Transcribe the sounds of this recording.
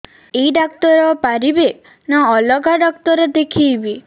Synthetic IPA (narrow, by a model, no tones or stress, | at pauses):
eiɖak̚t̪ɔɾɔpaɾibe | naɔlɔɡʱaɖɔk̚t̪ɔɾɔd̪ekʰibi